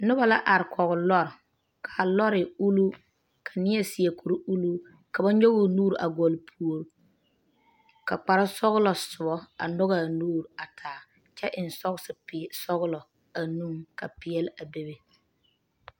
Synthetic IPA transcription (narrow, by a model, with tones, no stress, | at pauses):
nʊ˦ba˨la˦ʔa˨ɾɪ˨kʰɔ˨ɣʊ˨lɔ˦ɾ | kʰa˨lɔ˦ɾɪ˨u˦lu˦ | kʰa˨nɪ˦ɛ˦si˨ɛ˨ku˨ɾu˦u˦lu˦ | ka˨ba˦ɲo˦ɣʊ˦˨nuː˦ɾʔa̰˨ɡɔ˨lpʰu˨o˨ɾ | ka˨k͡pa˨ɾa˦sɔ˦ɣʊ˦lɔ˨sʊ˨bɔ˦a̰˨nɔ˦ɣa˨nuː˦ɾa˨tʰaː˨ | t͡ʃɛ˦ʔɪ˨n̩˨sɔ˦ɣsɪ˨psɔ˦ɣʊ˦lɔ˨ | a˨nu˦ka˨pɪ˨˦ɛ˦la˨be˦be˦